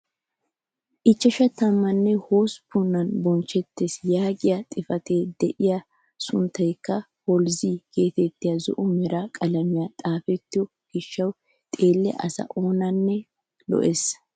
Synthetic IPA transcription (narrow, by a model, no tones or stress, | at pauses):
ʔɪt͡ʃːɐʃɐt̪ɐmːɐnːɛhoːspʰʊnːɐnbɔnt͡ʃːɛt̪ːesjaːɡɪjat̪ʼɪfɐt̪eːd̪̥ɛʔɪja | sʊnt̪ːɐjkːɐ | hɔlziːɡe̞ːt̪ɛt̪ːɪjɐzɔ̰ʔʊmɛɾakʼɐlɐmɪjɐt̪ʼaːfɛt̪ːɪjɔ | ɡ̥ɪʃːɐw | t̪ʼe̞ːlːɛ̰ʔɐ̰sɐ̰ʔoːnɐnːɛ | lɔ̰ʔes